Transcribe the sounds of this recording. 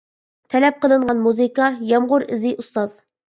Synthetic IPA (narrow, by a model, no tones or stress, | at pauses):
t̪ʰɛlɛp̚qəlˠɨɴʁɑnmuzɨkɑjɑmʁʊɾɪzɪʔust̪ɑz